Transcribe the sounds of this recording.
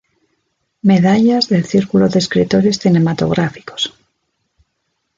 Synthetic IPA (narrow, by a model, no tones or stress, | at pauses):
me̞ðaʎazðe̞lθiɾkuloðeskɾit̪o̞ɾe̞sθine̞mat̪o̞̰ɣ̞ɾafi̥ko̞̥s